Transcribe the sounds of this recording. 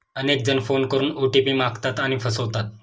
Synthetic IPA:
ənek̚d͡zənfonkəɾuːnoʈipiːmakt̪at̪aɽ̃ifʰəsəʋt̪at̪̚

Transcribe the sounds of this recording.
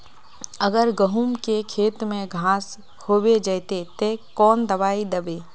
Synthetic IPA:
ɐɡəɾɡəɦuːmkekʰeːt̪mẽɡʱãːs | hoːwed͡ʒəːt̪et̪ekɔːnd̪ɐʋaːid̪ɐbeː

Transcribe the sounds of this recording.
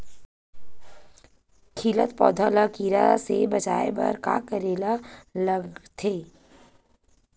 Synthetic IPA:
kʰiːlət̪pɔ̰ːd̪ʱaːlakiːɾa̰sebɐt͡ʃa̰ːebɐ̰ɾka̰ːkəɾeːlaləɡt̪ʰeː

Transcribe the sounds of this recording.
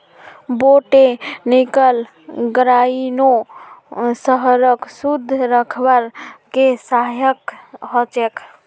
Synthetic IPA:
boʈenikəl | ɡɾaino | səɦəɾəksud̪ʱːɾəkʰbəɾkesajəkɦɔt͡ʃɛk

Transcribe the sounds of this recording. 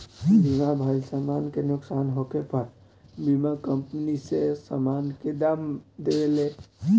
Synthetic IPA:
bʱimabʱəlsamankenʊksanɦokepəɾ | bimakəmpnisesamanked̪amd̪eɡele

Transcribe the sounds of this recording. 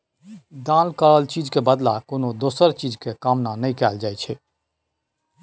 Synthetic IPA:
d̪ãlkəɭəlt͡ʃid͡ʒkebəd̪lakonod̪osəɾt͡ʃid͡ʒkekamnanəjkɛld͡ʒajt͡ʃʰɛ

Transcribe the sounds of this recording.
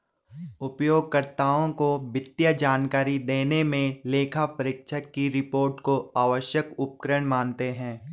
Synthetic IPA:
ʊpjoːɡ̚kəɾt̪aːõkobɪt̪jad͡ʒaːnkaːɾid̪eːnemẽleːkʰapəɾɪkʃəkːiɾɪpoːɾʈkoaːʋəʃjəkʊp̚kəɾəɽ̃maːnt̪eɦɛ̃ː

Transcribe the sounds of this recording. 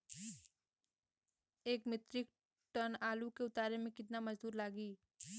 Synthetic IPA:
eːkmɪt̪ɾɪk̚ | ʈənaːlukeʊt̪aːɾemẽkɪt̪namɐd͡ʒd̪uːɾlaːɡiː

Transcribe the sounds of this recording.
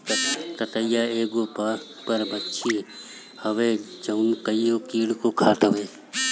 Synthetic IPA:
t̪ət̪əjaːeːɡoːp | pəɾbətːʃʰi | hɐʋeːd͡ʒɐʊnkəioːkiːɽkoːkʰaːt̪əʋeː

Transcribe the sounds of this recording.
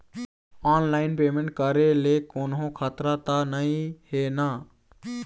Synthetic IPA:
aːnlaɪnpemẽɳʈkəɾelekoːnɦõkʰat̪ɾat̪anəĩhena

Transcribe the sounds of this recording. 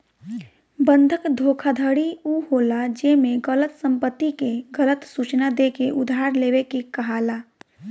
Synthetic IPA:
bə̃nd̪ʱəkd̪ʱoːkʰad̪ʱəɽiuhoːlad͡ʒemẽɡələt̪sə̃mpət̪ːikeɡələt̪suːt͡ʃnad̪ekeʔʊd̪ʱaːɾleːwekekəɦaːlaː

